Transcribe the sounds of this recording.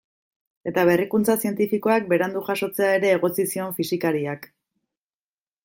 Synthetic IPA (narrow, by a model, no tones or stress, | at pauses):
e̞t̪aβe̞rikunt͡sasie̞nt̪ifiko̞ak̚be̞ɾand̪uxaʃo̞t͡se̞aeɾe̞ːɣ̞o̞t͡sisio̞ɱfisikaɾiak